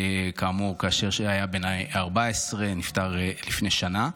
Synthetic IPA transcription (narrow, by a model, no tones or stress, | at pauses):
kaːmuʁkaːʃeʁʃeajabenajaʁbaesʁenift̪aʁelifneʃana